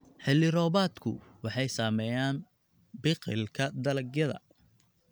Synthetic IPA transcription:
ħɛlɪɾɔːβaːd̪kʰʊ̰wɑħɑjsaːmɛjaːn | bɪqɪ̰lkʰɐd̪ɐlɐɡjɐðɐ̰

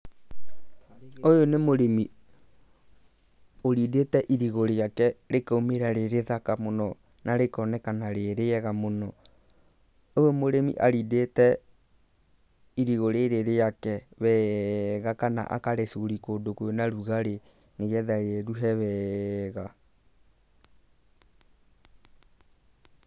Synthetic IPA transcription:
ojonemoɾemi | oɾidetɛʔiɾiɣoɾeakɛɾekomeɾaɾeɾeðakamonɔ | naɾekɔnɛkanaɾeɾeɛɣamonɔ | ojomoɾemḭʔaɾidetɛ | iɾiɣoɾeɾeɾejakɛβɛɣakana̰ʔa̰kaɾesoɾikodokoonaɾuɣaɾe | neɣɛðaɾeɛɾuɦɛβɛɣa

